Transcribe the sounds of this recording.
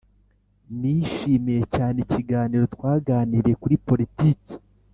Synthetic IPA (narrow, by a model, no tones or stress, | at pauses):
niːʃiːmije̞caːneciɡaːniːɾo̞tkwaːɡaːniɾe̞kuɾipo̞ɾitiːci̥